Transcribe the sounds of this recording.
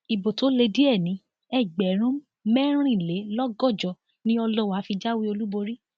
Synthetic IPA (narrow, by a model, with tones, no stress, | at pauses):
i˨bo˨to˨˦le˧di˦ɛ˦˨nĩ˨˦ | ɛ˦˨ɡ͡bɛ˨˦ɾ̃ũ˦ | mɛ˦ɾ̃ɾ̃ĩ˦˨le˨˦lɔ˦ɡɔ˦˨d͡ʒɔ˧˨ | nĩ˦ɔ˧lɔ˦wa˨˦fi˧d͡ʒa˦wi˦o˧lu˦bo˧ɾi˦